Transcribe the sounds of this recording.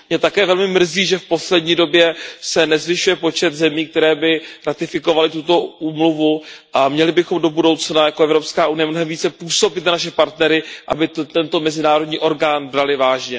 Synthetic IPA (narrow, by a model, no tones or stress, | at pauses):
mɲɛt̪akɛːvɛlmɪmr̩ziːʒɛfpo̞slɛdɲiːdo̞bjɛsɛnɛzvɪʃujɛpo̞t͡ʃɛt̪zɛmiːk̚t̪ɛɾɛːbɪɾat̪ɪfɪko̞valɪt̪ut̪o̞uːmluvuʔamɲɛlɪbɪxo̞mdo̞budo̞wt͡snajakoɛvɾo̞pskaːʔunɪjɛmno̞ɦɛmviːt͡sɛpuːso̞bɪt̪nanaʃɛpaɾt̪nɛɾɪʔa̰bɪt̪t̪ɛnt̪o̞mɛzɪnaːɾo̞dɲiːʔo̞ɾɡaːnbɾalɪvaːʒɲɛ